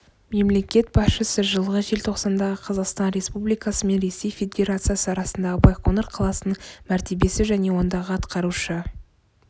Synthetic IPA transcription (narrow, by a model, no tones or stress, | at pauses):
me̞mle̞kʲe̞t̪̚bɑsʃəsəʒəlˠʁəʒe̞lt̪ʰo̞qsɑnd̪ɑʁəqʰɑzɑqst̪ɑnɾe̞spublijkɑsəme̞nɾe̞se̞jfʲe̞d̪ʲe̞ɾat̪sɨjasəɑɾɑsənd̪ɑʁəbɑjqonɑɾqʰɑlˠɑsənəmæɾt̪e̞be̞sɪʒæne̞wo̞nd̪ɑʁəɑt̪qɑɾuʃə